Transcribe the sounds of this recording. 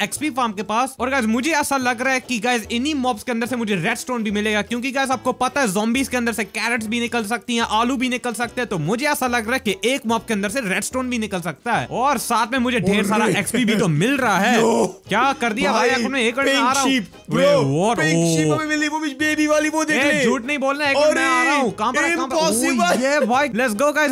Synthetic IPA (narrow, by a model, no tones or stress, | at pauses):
ɛkspifaːɾmkepaːsɔːɾɡaːɪzmʊd͡ʒʱeɛːsalɐɡɾaaɛkiɡaːɪzɪnimɔːpskeɐnd̪əɾsemʊd͡ʒʱeɾɛːɖsʈoːnbʱimɪleːɡakjõːkiɡaːɪzaːp̚kopɐt̪aɦɛzɔ̃ːmbizkeɐ̃nd̪əɾsekɛːɾəʈsbʱinɪkəls̬ɐk̚t̪iɦɛ̃ʔaːlubʱinɪkəlsɐk̚t̪eɦɛ̃t̪omʊd͡ʒʱeɛːsalɐɡɾaːɦɛkiʔeːkmɔːp̚keɐnd̪əɾseɾɛːɖsʈoːnbʱinɪkəlsɐk̚t̪aɦɛ̰ːɔːɾsaːt̪ʰmẽmʊd͡ʒʱeɖʱeːɾsaːɾaʔɛkspibʱit̪omɪlɾɐɦaɦɛːkjaːkɐɾd̪iabʱaːjaːkʊnmẽeːkəɾ̃aːɾaĩːp | oʋɔːʈoʃiːmemɪliʋobɪt͡ʃbeːbiʋaːliʋod̪eːed͡ʒʱuːʈnɐɦĩboːlnaeːkəmɛ̃aːɾaɦũkɐɦãpɐɾkːapɔsɪbəɛbʱaːilɛʈsɡoːɡaɪz